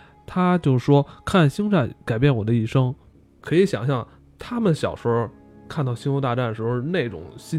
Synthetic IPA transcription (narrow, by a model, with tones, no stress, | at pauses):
t̪ʰa˥t͡ɕjo˥˧ʊʂ̩˩ʂwɔ˥kʰa˥˩nɕi˥ŋʈ͡ʂa˥˩nka˨˩ɪpjɛ˥˩nwɔ˨˩d̪ə˦i˥˩ʂɤ˥ŋ | kʰɤ˧˥i˧˥ɕjɑ̰˨˩ŋɕjɑ˥˩ŋ | t̪ʰa˥mə˨nɕjɑ̰˨˩ʊʂə˥˧ | kʰa˥˧nt̪ɑ˥˩ʊɕi˥nwɔ˧˥t̪a˥˧ʈ͡ʂa˥˩nə˩ʂɻ̩˧˥ne˥˩ɪʈ͡ʂʊ̰˨˩˦ŋɕi˥